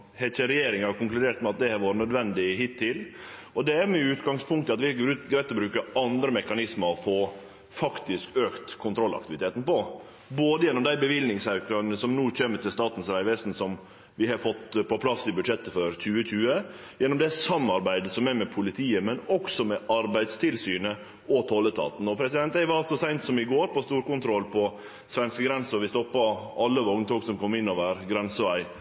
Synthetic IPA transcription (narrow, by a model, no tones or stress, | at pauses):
hɛt͡ʃəɾɛjeːɾɪŋhɑɾkʊŋklʉd̪eːɾt̪mɛɑt̪̚d̪ɛæɾʋoːɾənœd̪ʋɛnd̪ɪhɪt̪ʰːɪl | ɔd̪ɛæɾmɛʉːt̪ɡɑŋspʰʊŋkt̪əɑt̪ʋɪhɑɡoɾʉːt̪ɡɾæɪt̪ːɔbɾʉːkəɑnd̪ɾəmɛkɑnɪsməɔfoː | fɑkt̪ɪskøːkt̪kʰːʊnt̪ʰɾɔlɑ̰k̚t̪ɪʋɪt̪eːt̪n̩pɔ | boːd̪əjɛnːɔmd̪æɪbəʋɪlnɪŋsækɑnəsɔmnuːçeːmːət̪ʰɪlst̪ɑːt̪n̩sɾæɪʋɛsn̩sɔm | ʋɪhɑfɔt̪ːpʰɔpʰlɑsːɪbʉd̪ʂɛt̪ːəfɔɾc͡çʉːəc͡çʉːə | jɛnːɔmd̪ɛsɑmːɑɾbæɪd̪əsɔmæmɛpʰʊlɪt̪ʰiːəmɛnɔksɔmɛʔɑɾbæɪd̪st̪ʰɪlsyːnə | ʔɔt̪ʰɔlːət̪ʰɑ̰ːt̪n̩ɔpʰɾɛsɪd̪ɛnt̪æɪʋɑlsɔsæɪnt̪sɔmɪɡoːɾpɔst̪uːɾkʊnt̪ʰɾɔlpʰɔ | sʋɛnskəɡɾɛnsəɔʋɪst̪ɔpːɑɑlːəʋɔŋnt̪ʰɔːksɔmkʰɔmːɪnːoʋæɾɡɾɛnsəʋæɪ